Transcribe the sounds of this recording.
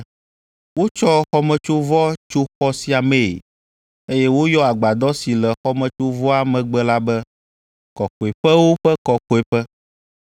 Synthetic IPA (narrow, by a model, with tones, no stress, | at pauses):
wo˦t͡ʃɔ˦xɔ˦mɛ̃˨t͡ʃo˦vɔ˦t͡ʃo˦xɔ˦si˦a˨mẽ˨ | e˦jɛ˦wo˦jɔ˦a˨ɡ͡ba˨d̪ɔ˦si˨lɛ˨xɔ˦mɛ̃˨t͡ʃo˦vɔ˦a˦mɛ̃˨ɡ͡bɛ˦la˦bɛ˦ | kɔ˨ko˨e˨ɸɛ˦wo˦ɸɛ˦kɔ˨ko˨e˨ɸɛ˦